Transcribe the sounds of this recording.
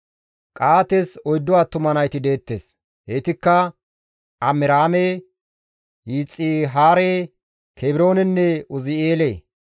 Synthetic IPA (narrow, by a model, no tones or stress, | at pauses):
kʼaːt̪esɔjd̪ːʊwaːt̪ʊmɐnɐjt̪ɪd̪e̞ːt̪ːḛːs | heːt̪ɪkːɐ | ʔɐmɪɾaːme | jiːt͡sʼːiːɦaːɾeː | kʰebɪɾo̞ːnɛnːɛʊzɪeːleː